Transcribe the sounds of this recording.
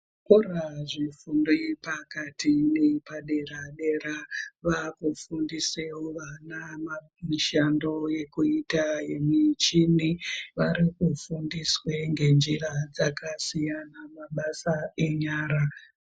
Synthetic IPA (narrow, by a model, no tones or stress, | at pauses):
kuraʐifundojepakatʰinepaɗe̞raɗe̞ɾaʋakufundisewoʋanama | miʃando̞je̞kuitaje̞mit͡ʃiniʋaɾikufundiswe̞ŋɡe̞nd͡ʒirad͡zakasijanamaɓasae̞ɲaːɾa